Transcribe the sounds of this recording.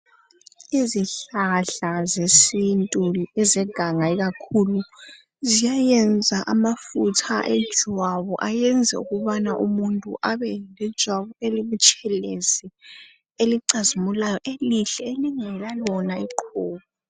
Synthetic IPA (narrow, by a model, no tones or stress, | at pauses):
iziɬaɬazesintʼuɛzɛɡ̥ʱaŋaiɣakʰulu | zijajɛnd͡zʱaʔamafutʰa̰ʔɛd̥ʒ̥ʱwaβɔʔajɛnd͡zʱɛ̰ṵɣuβanaʔumuntʼṵʔaβɛlɛd̥ʒ̥ʱwaβɔeliβut͡ʃʼɛlezi | eliǀazimulajɔʔeliɬɛeliŋɛlalɔnaiǃʰɔːβɔ